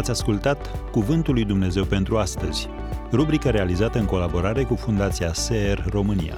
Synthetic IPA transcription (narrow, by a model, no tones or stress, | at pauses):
at̪sʲaskult̪at̪kuvɨnt̪ulːujd̪umne̞ze̞wpe̞nt̪ɾuast̪əz̥ʲ | rubɾikəɾe̞alizat̪əɨŋko̞labo̞ɾaɾe̞kufund̪at̪siaseerro̞mɨnḭja̰